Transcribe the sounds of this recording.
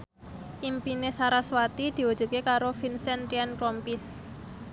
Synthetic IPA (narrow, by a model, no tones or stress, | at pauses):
ʔimpinesaɾaswat̪id̪̥i̤wad̥ʒ̥ṳt̪̚kekaɾofinsɛnt̪ɾiankɾɔmpɪs